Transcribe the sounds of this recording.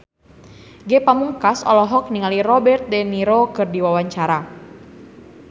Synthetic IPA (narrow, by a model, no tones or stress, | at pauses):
ɡɛpamuŋkasɔ̰lɔɦɔk̚niŋalirɔbɛrt̪̚dɛniɾokɨrdiwawaɲt͡ʃaɾa